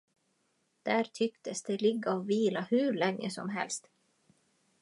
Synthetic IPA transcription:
d̪̥æɾt̪ʰʏkt̪əsd̪ɛlɪɡːaɔviːlahʉːɾɭɛŋːə̰sɔ̰mɦɛ̰lst̪

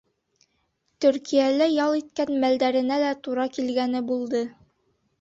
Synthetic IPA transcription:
t̪ɵ̆ɾkʰijælæjɑlˠit̪kænmæld̪æɾɘ̆nælæt̪uɾɑkilɡænɘbulˠd̪ɤ

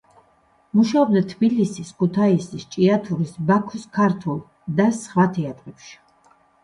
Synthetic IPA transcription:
muʃaɔb̚d̪at̪ʰbilisiskʰut̪ʰaisist͡ʃʼiat̪ʰuɾisbakʰuskʰaɾt̪ʰulˠ | d̪asχwat̪ʰɛat̪ʼqʼɛpʃi̥

